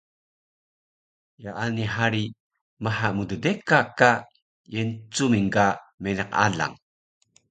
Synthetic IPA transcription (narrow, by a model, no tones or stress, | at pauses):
jaʔaniɦaɾi | maħamudədekaka | jent͡sumiŋɡamenaqa̰ɮa̰ŋ